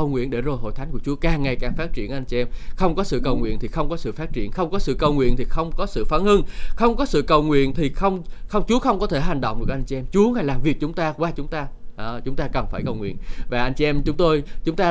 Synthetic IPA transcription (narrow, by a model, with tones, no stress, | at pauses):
ə˨˩wŋwḭ˧˨ənɗe˧˩zo˨˩jho̰˧˨jt̪ʰa˨˦ŋ̟ku˧˩ət͡ɕu˨˦əkaː˨˩ŋːa˨˩jkaː˨˩ŋfaː˦˥t̚t͡ɕi˧˩ənʔa˧jŋ̟t͡ɕi˧ʔɛ˧mxə˧wŋ͡mkɔ˨˦sɨ̰˧˨kə˨˩wŋwḭ˧˨ənt̪ʰi˨˩xə˧wŋ͡mkɔ˨˦sɨ̰˧˨faː˦˥t̚t͡ɕḭ˧˨ənxə˧wŋ͡mkɔ˨˦sɨ̰˧˨kə˨˩wŋwḭ˧˨ənt̪ʰi˨˩xə˧wŋ͡mkɔ˨˦sɨ̰˧˨faː˨˦ŋhɨ˧ŋxə˧wŋ͡mkɔ˨˦sɨ̰˧˨kə˨˩wŋwḭ˧˨ənt̪ʰi˨˩xə˧wŋ͡mxə˧wŋ͡mt͡ɕu˨˦əxə˧wŋ͡mkɔ˨˦t̪ʰe˧˩ɦa˨˩jŋ̟ɗə̰˧˨wŋ͡mɗɨ˨˩k̚ʔa˧j̟t͡ɕi˧ʔɛ˧mt͡ɕu˨˦əŋa˨˩jlaː˨˩mvi˨˩ək̚t͡ɕʊ˨˦ŋ͡mt̪aː˧kwaː˧t͡ɕʊ˨˦ŋ͡mt̪aː˧ʔt͡ɕʊ˨˦ŋ͡mt̪aː˧kə˨˩nfaː˧˩jkə˨˩wŋwḭ˧˨ənvaː˨˩ʔa˧jŋ̟t͡ɕi˧ʔɛ˧mt͡ɕʊ˨˦ŋ͡mt̪o˧jt͡ɕʊ˨˦ŋ͡mt̪aː˧